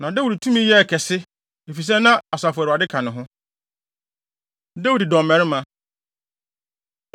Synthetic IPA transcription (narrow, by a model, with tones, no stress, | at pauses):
nã˨da˦u˨di˨tʰũ˦mĩ˦jɛ˦˨kʰɛ˨sɪ˦ | e˨fi˨s̬ɛ˦nã˦a˨sa˨fʊ˨ɾa˨dɪ˦kʰã˨nʊ̃˨ɦʊ̃˦ | de˦wu˨di˨dɔ̃˨m˨mɛ̃˨ɾɪ˦mã˦